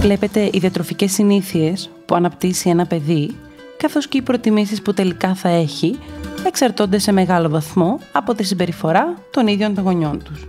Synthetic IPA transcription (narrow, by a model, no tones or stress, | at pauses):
vle̞pe̞t̪e̞ʔiðiɐt̪ɾo̞fice̞sːiniθie̞s | puɐnɐpt̪isie̞nɐpe̞ði | kɐθo̞sce̞ipɾo̞t̪imis̬isput̪e̞likɐθɐe̞çie̞ksɐɾt̪o̞nd̪e̞se̞me̞ɣɐlo̞vɐθmo̞ɐpo̞t̪is̬imbe̞ɾifo̞ɾɐt̪o̞niðʝo̞nt̪oŋɣo̞ɲo̞nt̪us